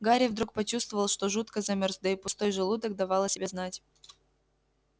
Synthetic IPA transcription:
ɡaɾʲɪvd̪ɾuk̚pɐt͡ɕust̪vəvəlˠʂt̪oʐut̪kəzɐmʲorzd̪əɪpʊst̪o̞jʐɨlˠud̪ək̚d̪ɐvɑlˠəsʲɪbʲeznatʲ

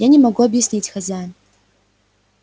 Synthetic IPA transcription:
janʲɪmɐɡuɐbjɪsʲnʲitʲxazʲaj

